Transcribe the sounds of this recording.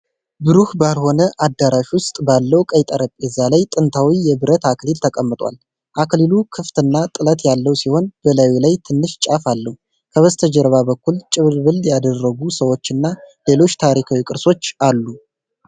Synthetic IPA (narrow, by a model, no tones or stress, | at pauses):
bɨɾuhbalho̞nəʔad̪ːaɾaʃwʊst̪ʼbalːəwkʼəjt̪ʼəɾəpʼjɛzːalajt̪ʼɨnt̪ʰawijɛbɨɾət̪aklilt̪ʰəkʼəmːɨt̪ʼwa̰l | ʔaklilukʰɨft̪ɨnːat̪ʼɨlət̪jalːəwsiho̞nbəlawilajt̪ʰɨnːɨʃt͡ʃʼafalːəhu | kʰəβəst̪ʰəd͡ʒəɾβabəkːult͡ʃʼɪβɾβɨljad̪ərːəɡusəwo̞t͡ʃːɨnːale̞lo̞t͡ʃːt̪ʰaɾikʰawikʼɨɾso̞t͡ʃːalːu